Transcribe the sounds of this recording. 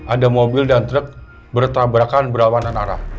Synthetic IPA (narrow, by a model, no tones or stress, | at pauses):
ʔadamobɪldant̪ɾək̚ | bərt̪abɾakanbəɾawananaɾa̰h